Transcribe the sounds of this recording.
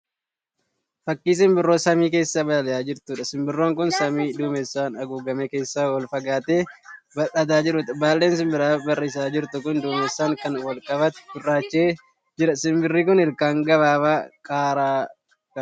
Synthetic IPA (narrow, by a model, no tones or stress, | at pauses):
fɐkːiːs̬ɪmbɪrːo̞ːsɐmiːke̞ːsːabɐɐlɛjaːd͡ʒɪɾt̪ʊᶑɐsɪmbɪrːo̞ːŋkʊnsɐmiːd̪uːmɛsːaːnɐɡuːɡɐmeːke̞ːsːawɐlfɐɡaːt̪eːbɐᶑɐt̪̬aːd͡ʒɪɾʊt̪baːlːeːns̬ɪmbɪɾaːbɐriːs̬aːd͡ʒɪɾt̪ʊkʊnd̪uːmɛsːaːŋkɐnwɐlkʼɐβɐt̪bʊrːaːt͡ʃːeː | d͡ʒɪɾɐsɪmbɪrːiːkʊnɪɾkaːŋɡɐbaːbaːkʼaːɾaː | kɐ